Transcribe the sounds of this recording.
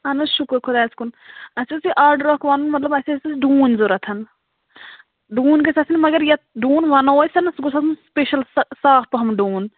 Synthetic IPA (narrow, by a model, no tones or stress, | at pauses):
ɐnuʃukɾkʰʊd̪aːskunɐsusiʔaːɾɖɾɔkʋanunmɐt̪lɐbɐsʲesisɖuːnʲzoɾɐt̪ʰɐn | ɖuːnʲkɐsɐsinʲmɐɡɐɾjɐɖuːnʋɐnoːsɐnɐsɡosɐsunspeʃɐlssaːfpɐɦɐmɖuːn